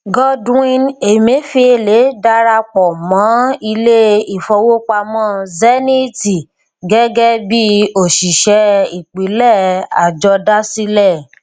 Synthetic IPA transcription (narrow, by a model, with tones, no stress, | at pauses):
ɡɔ˦dĩ˧ne˨mẽ˨˦fi˧e˧le˨˦da˧ɾa˧k͡pɔ˨mã˨˦i˧le˦i˨fɔ˧wo˦k͡pa˧mɔ̃˦˨zɛ˦nĩ˦ti˨ | ɡɛ˦ɡɛ˦bi˦o˦˨ʃi˨ʃɛ˧˦i˦˨k͡pi˨˦lɛ˦˨a̰˨d͡ʒɔ˧da˦si˦lɛ˦˨